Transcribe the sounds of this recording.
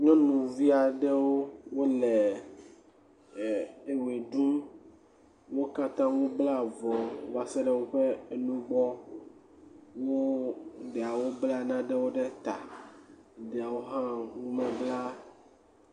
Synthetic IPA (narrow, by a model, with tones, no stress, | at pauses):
ɲɔ̃˦nũ˨vi˦a˨ɖɛ˦wo˦wo˦lɛ˨ | e˨we˨ɖu˦m | wo˦ka˦t̪ã˦wũ˦bla˦˨vɔ˨va˨sɛ˦ɖɛ˦wo˦ɸe˦e˨nũ˦ɡ͡bɔ˦ | wo˦ɖɛ˨a˨wo˦blɛ˦a˨nã˦ɖɛ˦wo˦ɖɛ˦t̪a˨ | ɖɛ˨a˨wo˦ɦã˦ŋũ˦mɛ̃˨bla˦